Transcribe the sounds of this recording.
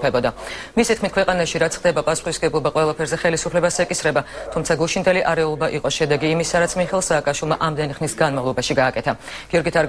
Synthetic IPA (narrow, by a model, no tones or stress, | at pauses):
pʰɛbɔd̪amisit̪̚ʰkʰmit̪kwɛqʼanaʃiɾat̪sʰχd̪ɛbapʼasu̥χisɡɛblˠɔbaqʼwɛlˠapʰɛɾzɛχɛlisupʰlɛbasɛkʼisɾɛbat̪ʰumt̪sʰaɡuʃind̪ɛliʔaɾɛulˠɔbaʔiqʼɔʃɛd̪ɛɡiːmisaɾat̪sʰmiχɛlˠsaːkʼaʃwilˠmaʔamd̪ɛniχnisɡanmavlˠɔbaʃiɡaːkʼɛt̪ʰaɡ̥iɔɾɡit̪ʰaɾ